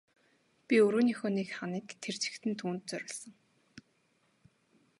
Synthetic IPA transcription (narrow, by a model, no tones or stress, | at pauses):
pʲiɵɾuːnixoːniːkχaniːkt̪ʰert͡ɕɪ̥̆kt̪ʰɘ̆nt̪ʰuːnt̪̚t͡sœɾʲɪ̆ɮsə̆ŋ